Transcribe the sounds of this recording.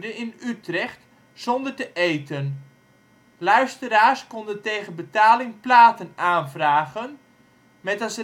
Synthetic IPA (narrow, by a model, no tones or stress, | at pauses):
dənɪnytrɛχt | z̥ɔndərtəʔejtən | lœɥstəɾaːskɔndəntejɣənbətaːlɪŋplaːtənaːnvraːɣən | mɛtɑsə